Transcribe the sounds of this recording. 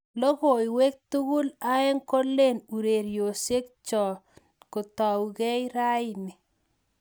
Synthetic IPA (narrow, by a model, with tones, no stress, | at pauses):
lo˦ɣo˨iwe˦k̚tu˦ɣu˦la˦ɛ˦ŋko˦lːe˦˨nu˨ɾe˨ɾjo˨se˦k̚t͡ʃɔ˨ | kʊ˨tɔ˨wɣɛ˦jɾa˦ɪ˦nɪ˨